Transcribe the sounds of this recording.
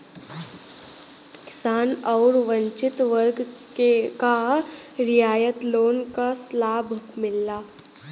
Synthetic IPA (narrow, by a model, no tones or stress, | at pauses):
kɪ̥saːnɔːɾʋə̃ɲt͡ʃɪt̪ʋəɾɡkekaɾɪjaːjət̪loːnkaslaːbʱkmɪlːaː